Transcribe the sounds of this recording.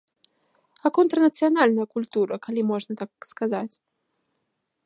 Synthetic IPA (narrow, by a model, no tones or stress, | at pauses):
ɐkɔnt̪ɾɐnɐt̪sɨjanalʲnɐjɐkulʲt̪uɾɐkalʲimɔʐnɐt̪akskazat͡sʲ